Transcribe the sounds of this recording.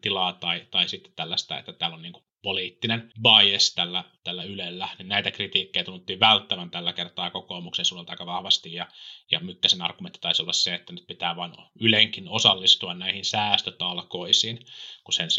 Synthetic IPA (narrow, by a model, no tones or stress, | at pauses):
t̪ilɑːt̪ɑit̪ɑisit̪ːe̥t̪t̪ælːæst̪æ̰ḛt̪ːæt̪æːlonniːŋku̥ | poliːt̪ːinenʋɑiest̪ælːæt̪ælːæylelːæninnæit̪ækrit̪iːkːejt̪unːut̪ːiːʋʋælt̪ːæʋænt̪ælːækert̪ɑːkokoːmuksensuːlːelt̪ɑikːɑʋɑhʋɑst̪ijjɑjɑ̰mykːæsenɑ̰rɡ̥ument̪ːi̥t̪ɑisolːɑsseet̪ːænyt̪pit̪æːʋɑinyleŋkinosɑlːist̪uɑnnæihinsæːst̪øt̪ɑlkoisinkusen